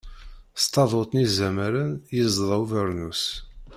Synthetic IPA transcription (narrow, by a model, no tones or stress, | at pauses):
st̪ɑðˤot̪ˤnizæməɾənjəzˤðˤəwvəɾnus